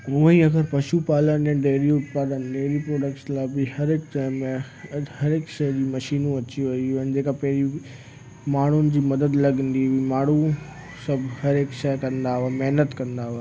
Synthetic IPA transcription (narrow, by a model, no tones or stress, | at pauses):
ʊɦiɐɡəɾpɐʃupaːlənɛ̃ɖeːɾiʊt̪paːd̪ənɖeːɾipɾoːɖək̚ʈslabɪhɐɾɪkʈaːɪmẽ | hɐɾɪkʃɐːd͡ʑiːmɐʃiːnũɐt͡ɕiʋɐiʊənd͡ʑeːkapɐɦɪɾi | maːɳ̤ʊnɪ̆d͡ʑiːmɐd̪əd̪lɐɡə̃nd̪iʋimaːɳ̤u | sɐbʱhɐɾekʃɛkɐ̃nd̪aʊamɛɦnət̪kɐ̃nd̪aːʊ